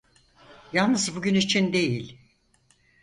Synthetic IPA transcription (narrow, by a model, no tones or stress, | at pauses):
jalˠnɯzbuɟʲynit͡ʃʰind̪e̞jilʲ